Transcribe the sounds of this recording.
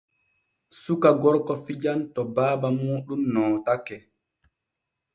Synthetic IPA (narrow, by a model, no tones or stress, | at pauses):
sukaɡɔɾkɔfid͡ʒantɔbaːbamuːɗumnɔːtakːɛ